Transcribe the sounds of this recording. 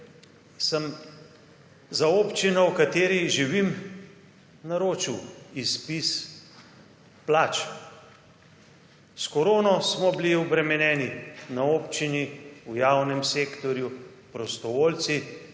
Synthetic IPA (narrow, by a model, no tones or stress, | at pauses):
səm | zaoːpt͡ʃinɔwkat̪eːɾiʒiʋim | naɾoːt͡ʃiwispis | plaːt͡ʃ | skɔɾoːnɔsmɔbiliɔbɾɛmɛnɛːninaoːpt͡ʃiniujaːwnɛmseːkt̪ɔɾju | pɾɔst̪ɔʋolt̪si